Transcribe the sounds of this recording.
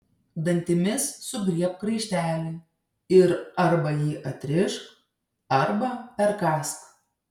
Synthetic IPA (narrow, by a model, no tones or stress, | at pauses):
d̪ɐnʲt̪ʲɪmʲɪsːʊɡɾʲiɛp̚kɾɐɪʃʲt̪ʲæːlʲɪɪ | ɪɾɐɾbɐjiːʔɐt̪ʲɾʲɪʃk | ɐɾbɐpʲɛɾkɑːsk